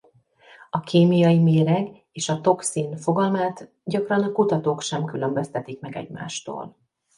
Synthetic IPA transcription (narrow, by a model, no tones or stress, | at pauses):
ɒkʰeːmijɒjimeːɾɛɡ | eːʃɒt̪o̞ksiːnfo̞ɡɒlmaːt̪ | ɟɒkrɒnɒkut̪ɒt̪oːkʃɛmkylø̞mbøst̪ɛt̪ikmɛɡɛ̰ɟma̰ːʃt̪o̰ːl